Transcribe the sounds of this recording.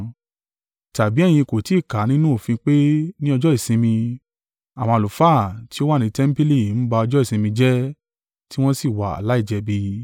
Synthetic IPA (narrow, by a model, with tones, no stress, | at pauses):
ta˨bi˨˦ɛ˦˨j̃ĩ˧ko˨ti˨˦˨ka˨˦nĩ˦nũ˦o˨fĩ˧k͡pe˦nĩ˦ɔ˧d͡ʒɔ˦i˦˨sĩ˧mĩ˧ | a˨w̃ã˧˨lu˨fa˦˨ti˦o˦wa˦˨nĩ˨˦tɛ˦m̩˦pi˦li˦˨n̩˦ba˧ɔ˧d͡ʒɔ˦i˦˨sĩ˧mĩ˧d͡ʒɛ˦ | ti˦w̃ɔ̃˦si˦˨wa˨a̰˨la˨˦i˦˨d͡ʒɛ˧bi˧